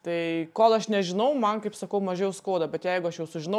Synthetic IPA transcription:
t̪ɐɪkoːlˠɐʃnʲɛʒʲɪnɐʊmɐnkɐɪpsɐkɐʊmɐʒʲejɛʊskoːd̪ɐbʲɛt̪jɛɪɡʊɐʃjɛʊsʊʒʲɪnɐ

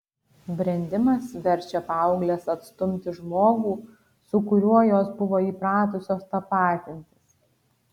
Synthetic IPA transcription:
bʲɾʲɛnʲd̪ʲɪmɐsʋʲɛɾʲˑt͡ʃʲɛpɑˑʊɡlʲeːsɐt̪st̪ʊmʲt̪ʲɪʒmoːɡuː | sʊkʊɾʲuɔjoːsbʊʋoːiːpɾɑːt̪ʊsʲoːst̪ɐpɑːt̪ʲɪnʲt̪ʲɪs

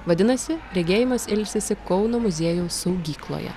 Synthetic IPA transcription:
ʋɐd̪ʲɪnɐsʲɪɾʲɛɡʲeːjɪmɐsɪlʲsʲesʲɪkɔʊnoːmʊzʲeɛjuːsɐʊɡʲiːklˠo̰ːjɛ̰

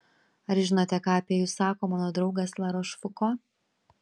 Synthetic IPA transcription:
ɐɾʒʲɪnoːt̪ʲɛkɑːɐpʲiɛjuːsːɑːkoːmɑːnoːd̪ɾɒʊɡɐslˠɑːɾoːʃfʊkoː

